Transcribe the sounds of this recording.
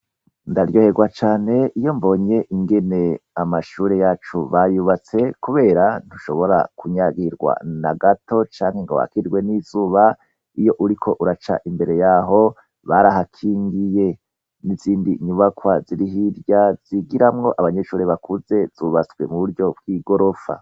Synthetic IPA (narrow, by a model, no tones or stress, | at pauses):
ndaɾɟo̞ːhe̞ɡwat͡ʃaːne̞ʔijo̞mbo̞ːɲe̞ʔiŋɡe̞ne̞amaʃuːɾe̞jaːt͡ʃuβajuβat͡se̞kuβe̞ːɾan̥uʃo̞βo̞ɾa̰kuɲaɡiɾɡwa̰naɡato̞t͡ʃaːŋhe̞ŋɡoβa̰kiɾɡwe̞nizuːβa | ijo̞ʔuɾikʰo̞ʔuɾat͡ʃa̰ʔimbe̞ɾe̞jaɦo̞ | βaɾaɦakʰiːŋɡije̞ | niziːndiɲuβakwaziɾiɦiɾjaz̥iɡiɾamŋo̞ʔaβaɲe̞ʃuːɾeβakʰuze̞z̥uːβat͡swe̞̰muβuɾjo̞b̚ɡiːɡo̞ɾo̞fa̰